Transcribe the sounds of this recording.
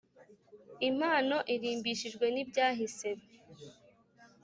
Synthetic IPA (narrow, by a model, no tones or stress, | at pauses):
imaːno̞ʔiɾiːmbiʃiʒɡwe̞nibɟaːɦise̞me